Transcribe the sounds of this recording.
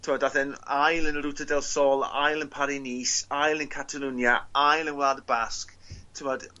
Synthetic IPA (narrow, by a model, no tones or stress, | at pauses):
tʰɪmɔdaθənajlˠənrutʰədɛlˠsɔlˠa̰jlˠənpʰaɾiniːsajlˠənkʰatʰalˠunjaajlˠənwlaːdəbasktʰʊmɔd̥